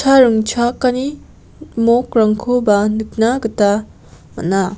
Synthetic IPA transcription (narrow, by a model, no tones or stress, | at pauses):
aɾɯŋt͡ʃʰakani | mokɾaŋkʰobanɯk̚naɡɯta | mɐ̰na